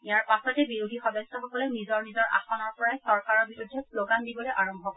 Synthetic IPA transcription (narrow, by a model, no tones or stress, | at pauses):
ijaɹpasɔtɛbiɹudʱixɔdɔsːɔxɔkɔlɔnizɔɹnizɔɹa̰xɔnɔɹpɔɹajsɔɹkaɹɔɹbiɹudʱːɛsloɡandibɔleʔaɹɔmbʱɔk